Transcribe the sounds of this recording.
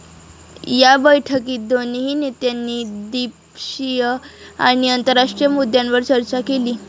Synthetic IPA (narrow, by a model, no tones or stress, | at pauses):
jabəjʈʰəkiːd̪oniɦinit̪janːiːd̪ip | ɕijəa̰ɽ̃iənt̪əɾːaʂʈɾijəmud̪jãnʋəɾt͡ɕəɾt͡ɕakeliː